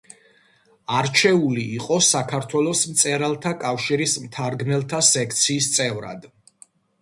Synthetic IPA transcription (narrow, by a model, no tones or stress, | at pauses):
aɾt͡ʃʰɛuliːqʼɔsakʰaɾt̪ʰwɛlˠɔsmt̪sʼɛɾalˠt̪ʰakʼafʃiɾismt̪ʰaɾɡnɛlˠt̪ʰasɛk̚ʰt̪sʰiːst̪sʼɛvɾa̰d̪̥